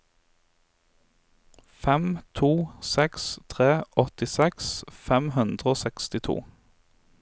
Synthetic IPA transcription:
fɛmt̪ʰuːsɛkst̪ʰʁeːʔɔt̪ɪsɛksfɛmhʉnd̪ʁəoːsɛkst̪ɪt̪ʰṵː

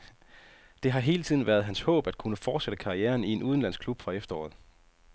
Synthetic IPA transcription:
d̥e̝ɦɑ̈ɦe̝ːlət͡sʰiðˠn̩ʋæɐð̞̩ˠɦænshɔ̰̽ːb̥æd̥̚kʰunəfɒːd̥seɾ̥əkʰɑ̈ieːɐnie̝nuð̞ˠən̩læn̰sɡ̥kʰlub̥fʁɑ̈efd̥ɐɒ̰ːð̩ˠ

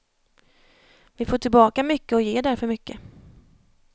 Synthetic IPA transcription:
vɪfoːʈʰɪlbɑːkamʏkːəɔjeːd̪æɾfœɾmʏkːə

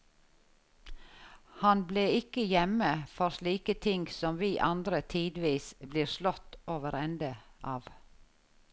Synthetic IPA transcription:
hɑnbleːɪkəjɛməfɔɾsliːkət̪ʰɪŋɡsɔmʋiːʔɑnd̪ɾət̪ʰiːd̪ʋiːsbliːɾʃlɔt̪oːʋəɾɛnd̪əʔɑːʋ

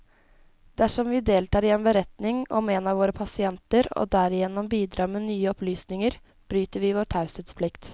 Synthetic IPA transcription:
d̪æʂɔmʋɪd̪eːlt̪ɑːɾɪɛːnbəɾɛt̪nɪŋɔ̰meːnɑʋoːɾəpʰɑsɪɛnt̪əɾo̰ːd̪æɾɪjɛnːɔmbiːd̪ɾɑːɾmeːnyːəɔplyːsnɪŋəɾ | b̥ɾyːt̪əɾʋɪʋoːɾʈ̪ʰɑʉsət̪spʰlɪkt̪

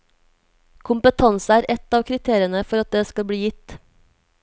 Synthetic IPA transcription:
kʰʊmpət̪ʰɑnsæːɾʔɛt̪ɑːʋkʰɾɪt̪ʰeːɾɪənəfɔɾɑt̪̚d̪eːskɑlbɽiːjɪt̪

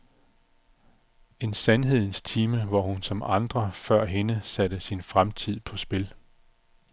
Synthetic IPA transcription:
e̝nsænɦe̝ð̰ˠn̩st͡sʰiːməʋɒhunsɒ̽mɑ̈nd̥ʁɐfɶɐ̰ɦe̝nəsæd̥əsinfʁamt͡sʰið̰ˠpʰɒ̽sb̥e̝l

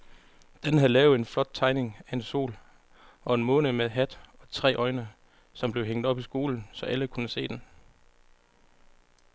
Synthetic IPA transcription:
d̥enɦæð̩ˠlɛːʊe̝nflɒ̽d̥̚t͡sʰɑ̈ɪne̝ŋæe̝nso̝̰ːl | ɒ̽e̝nmɔːnəmeðˠɦæd̥ɒ̽t͡sʰʁɛ̰ːʔɒ̽ɪnə | sɒ̽mb̥le̝ʊɦeŋ̰d̥ɒ̽b̥isɡ̥o̝ːln̩sɒ̽ʔæləkʰunəse̝̰ːd̥en

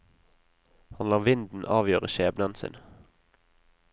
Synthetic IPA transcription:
hɑnlɑːʋɪnd̪n̩ʔɑːʋjøːʁəʃeːbnɑnsɪ̰n

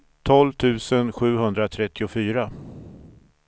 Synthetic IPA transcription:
t̪ʰɔlvt̪ʰʉ̟ːsənɧʉ̟ːɦɵnd̪ɾat̪ʰɾɛt̪ːɪʊfyːɾa

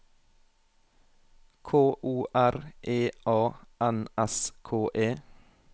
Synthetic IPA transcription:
kʰoːʔuːʔæɾʔeːʔɑːʔɛnɛskʰoːʔeː

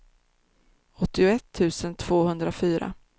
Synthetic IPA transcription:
ɔt̪ːɪʊɛt̪ʰːʉ̟ːsənt̪ʰv̥oːhɵnd̪ɾafyːɾa̰

